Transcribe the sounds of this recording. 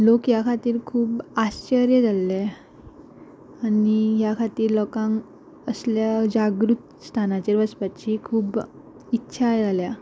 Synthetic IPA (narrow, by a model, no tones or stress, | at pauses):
lokɦjakʰat̪iːɾkʰuːbaɕt͡ɕəɾjəd͡zale | aniɦjakʰat̪iːɾlɔkãŋ | əsljad͡ʑaɡɾut̪ | st̪ʰanat͡ɕeɾʋəspat͡ɕiːkʰuːb | itːɕʰajd͡zalja